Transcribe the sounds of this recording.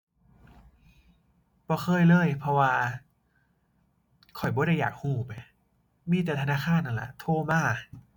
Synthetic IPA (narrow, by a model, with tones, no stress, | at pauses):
bɔː˧˩xʰɤː˧˨jlɤː˧˩˨jpʰɔ˧waː˧ | kʰɔ˨˩jbɔː˧˥˦ɾa˧˥˩jːaː˨˩k̚huː˧˩pa˧˩j | miː˧˥˩t̪ɛ˨˩t̪ʰa˧naː˧˥˩xʰaː˧˥˨nʔa˧˩nlɛ̰˨˩t̪ʰoː˧˩maː˧˥˩